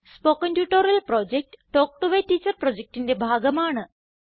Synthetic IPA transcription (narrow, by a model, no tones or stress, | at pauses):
spokənʈjuʈoɾɐlpɾɔd͡ʑek̚ʈːɔk̚ʈuʋeʈiːt͡ɕəɾpɾod͡ʑek̚ʈind̪ebʱaɡəmaːɳə